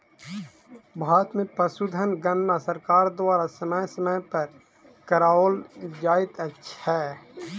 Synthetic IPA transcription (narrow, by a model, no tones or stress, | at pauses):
bʱaːɾət̪mẽpəsud̪ʱənɡənːasəɾkaːɾd̪waːɾasəməjsəməjpəɾ | kəɾaːoːld͡ʒaːɪt̪ətːʃʰɦɛː